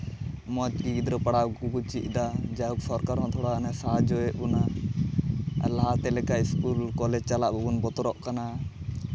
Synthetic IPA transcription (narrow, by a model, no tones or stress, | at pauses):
mɔt͡ʃ̪̚ɡid̪ɾɔpaɽakukut͡ʃḭʔ̚ˀd̪ad͡ʒauksɔɾkaɾmɔ̃t̪ʰɔɽanasaad͡ʒɔɛʔbuna | laɦat̪ɛlɛkaʔiskulkɔlɛd͡ʒt͡ʃalaʔbuɡunbɔt̪ɔɾɔʔkana